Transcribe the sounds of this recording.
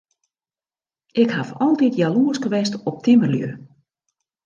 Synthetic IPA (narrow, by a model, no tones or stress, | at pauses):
ʔɪkhafɔlˠtitjaluəskəʋɛstɔp̚tʰɪmərljø̰